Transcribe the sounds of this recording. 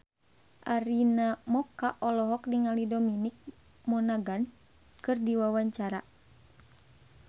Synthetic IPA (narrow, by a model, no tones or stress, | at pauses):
ʔaɾinamɔkaʔɔlɔɦɔk̚diŋalidɔminik̚ | mɔnaɡan | kɨrdiwawaɲt͡ʃaɾa̰